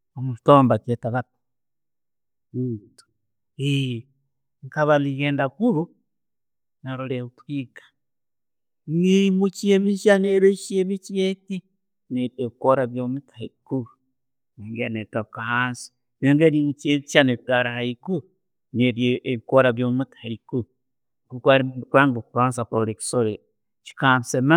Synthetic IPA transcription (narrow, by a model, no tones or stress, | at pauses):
omuʃi̥tombaketaβat | utu̥ | i | ŋkaβaliɣeːndakuɾu | naɾuɾeutikḁ | niimut͡ʃiemiʃaneɾeʃjeβit͡ʃieti | neɾeβikoɾaβjomutʰaiku | neːŋɡenetokahansi̥ | neŋɡeɾimut͡ʃeti̥ʃaneβikaɾaiku | neɾeeβikoɾaβjomutʰḁɾiku | ɡukwaɾimukaŋɡokuβaːnsakuɾoɾeki̥soɾe | t͡ʃi̥kaːnsema